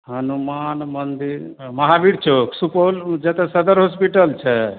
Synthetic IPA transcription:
ɦənumanmənd̪iɾ | məɦabiɾt͡ʃʰoksupold͡ʒɛt̪ɛsəd̪əɾɦospiʈəlt͡ʃʰɛ

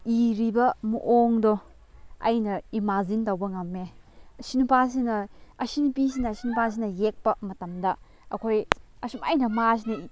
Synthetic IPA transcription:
iɾibɐmuʔoŋdɔ | ɐ̰jnɐimazintɐwbɐŋɐmːe | ɐsinupas̬inɐɐsinupis̬inɐsinupʰas̬inɐjek̚pɐmɐtɐmdɐ | ɐkʰojɐsumɐjnɐmas̬inɐ

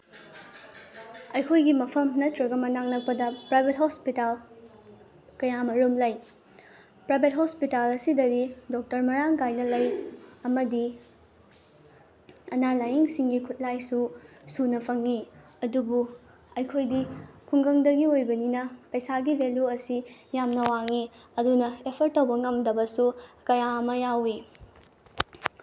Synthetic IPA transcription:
ɐjkʰojɡimɐpʰɐmnɐtɾɐɡɐmɐnaŋnɐk̚pɐdɐpɾajbʱet̚ɦospital | kɐjamɐɾomlɐj | pɾajbʱet̚ɦospitalɐsidɐdidok̚tɐɾmɐɾaŋkajnɐlɐjɐmɐdi | ɐnalajiŋsiŋɡikʰut̚lajsusunɐpʰɐŋːi | ɐdubu | ɐjkʰojdikʰuŋɡɐŋdɐɡiojbɐninɐpɐjsaɡibʱeljuɐsijamnɐwaŋiɐdunɐepʰɐɾtːɐwbɐŋɐmdɐbɐsukɐjaɐmɐjawi

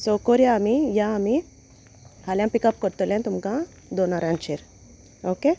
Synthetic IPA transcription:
sokoɾijaːmijãːmi | haljãmpikɐp̚kɔɾt̪olẽnt̪umkã | d̪onaɾant͡ʃeɾ | oke

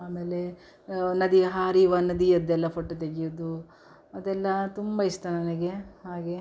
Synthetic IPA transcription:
aːmeːle | nɐd̪iɐɦaːɾiʋɐnɐd̪iɐd̪ːɛlːɐpoʈːɐt̪̬eɡijud̪u | ɐd̪ɛlːɐt̪umbɐist̪ɐnɐnɐɡe̞ɦaːɡe̞

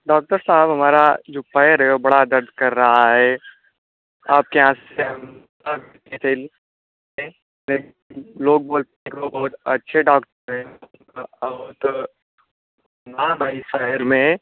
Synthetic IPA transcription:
ɖaːk̚ʈəɾsaːbɦɐmaːɾad͡ʒoːpɐːjəɾɦɛobɐɽad̪ɐɾd̪ʱkɐɾːɐɦaɦɛː | aːp̚keãːseɦɐmtaːɡ | t̪et̪ʰel | e | lɛːk | loːɡ̚boːlt̪eekobɐɦʊt̪ɐtːʃʰeɖaːkʈəɾɦɛ | kat̪ | naːmaiʃaɦəɾmẽ

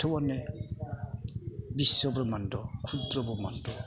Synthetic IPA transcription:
tʰɔwane | bisːɔbɾɔmandɔkʰudbɾɔbɔma̰ndɔ

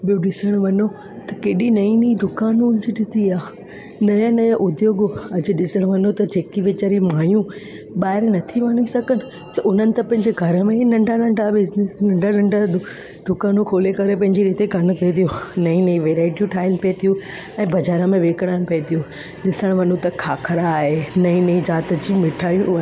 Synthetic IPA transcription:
ɓijũɗɪsəɽ̃ʋɐɲo | t̪ɐkeːɗinɐĩnɐĩd̪ʊkaːnuʊnɪ̃d͡ʑiɗɪt̪iaː | nɐjãnɐjãʔʊd̪joːɡɐd͡ʑ̆ɗɪsəɽ̃ʋɐnot̪ɐd͡ʑeːkiʋet͡ɕəɾimaːjũ | ɓaːɦɪɾnɐt̪ʰiʋɐnisɐɡʱənɪ̆ | t̪ɐʔʊn̤ənɪ̆t̪ɐpɐ̃ɦɪ̃ɲd͡ʑeɡʱɐɾəmẽnɐ̃ɳɖʱanɐ̃ɳɖʱabɪznesnɐ̃ɳɖʱanɐ̃ɳɖʱad̪ | d̪̥ʊkaːnũkʰoːlekɐɾepɐ̃ɦɪ̃ɲd͡ʑiɾiːt̪eɡʱɐn̆pet̪ʰijonɐĩnɐĩʋeːɾaːɪʈijũʈʰaːɪlpet̪ʰijũ | ɛ̃ːbɐd͡ʑaːɾəmẽʋeːkəɽ̃aːnɪ̆pɐet̪ʰijũ | ɗɪsəɽ̃ʋɐnot̪ɐkʰaːkʰɐɾaːɦenɐĩnɐĩd͡ʑaːt̪̆d͡ʑiːmɪʈʰaːijũɐ

